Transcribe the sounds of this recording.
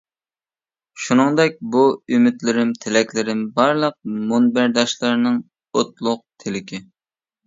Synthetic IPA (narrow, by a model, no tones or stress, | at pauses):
ʃunɨŋd̪ɛk̚ʲbuymɪt̪lɪɾɪmt̪ʰɪlɛkʲlɪɾɪmbɑɾlˠəq̚monbæɾd̪ɑʃlˠɨɾnɨŋ | ot̪lˠʊq̚t̪ʰɪlɪkʲɪ